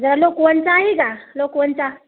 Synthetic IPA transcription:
d͡zəɾalokwənt͡saɦikalokwənt͡sa

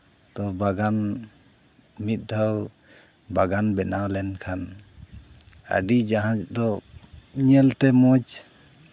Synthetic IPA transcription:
t̪ɔbaɡan | mit̪̚ˀd̪ʱaw | baɡanbɛnalɛnkʰan | a̰ɖid͡ʒaɦãd͡ʒd̪ɔiɲɛlt̪ɛmɔd͡ʒ

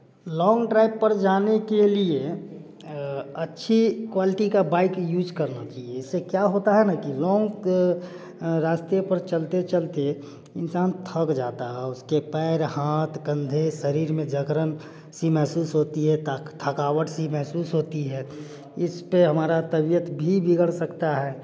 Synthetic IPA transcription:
lɔ̃ːŋɡʈɾaːɪbpːəɾd͡ʒaːnekelie | ɐtːʃʰikwaːlɪʈikabaːɪkjuːd͡ʒkəɾnat͡ʃaːɦieɪsːekjaɦoːt̪aɦɛnakilɔːŋɡ | ɾaːst̪ijəpəɾt͡ʃəlt̪et͡ʃəlt̪e | ɪnsaːnt̪ʰəkd͡ʒaːt̪aɦɛʊskepɛɪɾhaːt̪kə̃nd̪ʱesəɾiːɾmẽd͡ʒəɡɾən | simɛɦsuːsɦoːt̪iɦɛt̪t̪ʰəkaːwəʈsimɛɦsuːsɦoːt̪iɦɛ | ɪspeɦəmaːɾat̪əbijət̪bʱibɪɡəɽsəkt̪aɦɛː

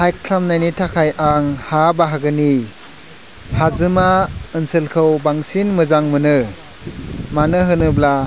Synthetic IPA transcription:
hajkkʰamnajnitʰakʰajʔaŋhabaɦaɡɯni | hazɯmaɯnsɯlkʰɯwbaŋsinmɯzaŋmɯnɯ | manɯɦɯnɯbla

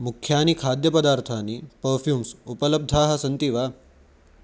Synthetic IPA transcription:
mukʰjaːnikʰaːd̪jɐpɐd̪aːɾt̪ʰaːnipɐɾfjuːmsupələb̚d̪ʱaːɦɐsɐnt̪iʋaː

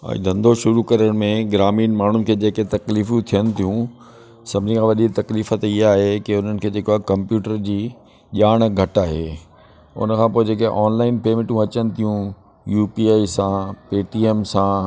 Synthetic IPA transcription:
ã̰ḭ̃d̪ʱɐ̃nd̪ʱoʃʊɾukɐɾəɽ̃mẽɡɪɾaːmiːnmaːɳ̤ʊnɪ̆kʰeːd͡ʑeːket̪ɐkliːfjũt̪ʰijəñɪ̆t̪ʰijũ | sɐbʱd͡ʑɪ̃ŋkʰãʋɐɗikt̪ɐkliːfət̪iɦaːɦekɪʊn̤ənɪ̆kʰeːd͡ʑeːkoaːɦkɐ̃mpjuːʈəɾd͡ʑiː | ʄaːɽ̃ɡʱɐʈaːɦḛː | ʊ̰nəkʰãːpoːed͡ʑeːkeʔɔːnlaːɪnpeːmɪʈũɐt͡ɕənɪ̆t̪ʰijũ | juːpiaːisãpeːʈiːeːmsãː

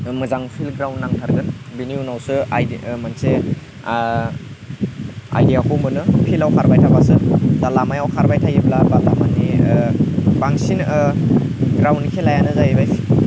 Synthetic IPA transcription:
mɯzaŋpʰilɡɾawnːaŋtʰaɾɡɯnbiniunawsɯajmanse | a̰jdijakʰɔmɯnɯpʰilawkʰaɾbajtʰabasɯzalamajawkʰaɾbajtʰajiblabalamani | baŋsin | ɡɾawnkʰelajanɯzajebajsi̥

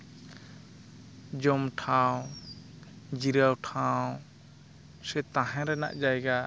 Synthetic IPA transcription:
d͡ʒɔmʈʰãw | d͡ʒiɾawʈʰãw | sɛt̪ãɦɛ̃ɾɛna̰ʔd͡ʒajɡa

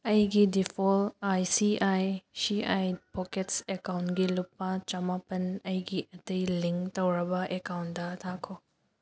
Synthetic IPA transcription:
ɐjɡidipʰolajsiajsiajpoketsekawntɡilupːɐt͡ʃɐmapɐnɐjɡiʔɐtɐjliŋktɐwɾɐbɐʔekawntdɐtʰakʰo

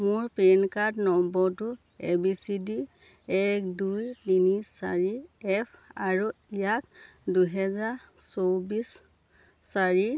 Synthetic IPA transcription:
mʊɹpenkadnɔmbɔtu | ɛbisidi | ɛk̚dujtinissa̰ɹiɛpʰaɹuijak | duɦɛza | sobisː | aɹi

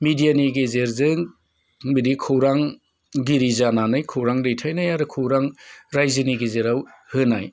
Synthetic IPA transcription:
midijaniɡezeɾzɯŋ | biɾikʰɯwɾaŋ | ɡiɾizananɯjkʰɯwɾaŋɾɯjtʰajnajaɾɯkʰɯwɾaŋɾajziniɡizeɾawhɯnaj

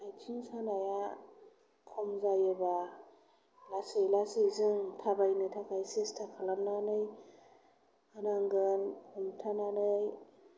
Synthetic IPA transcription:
ajtʰiŋsanaja | kʰɔmzajɯba | lasɯjlasɯjzɯŋtʰabajnɯtʰakʰajsestʰakʰalamnanɯj | anaŋɡɯnkʰɔmtʰananɯj

